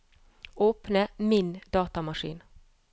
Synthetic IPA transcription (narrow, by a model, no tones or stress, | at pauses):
oːpnəmɪnd̪ɑːt̪ɑmɑʃḭːn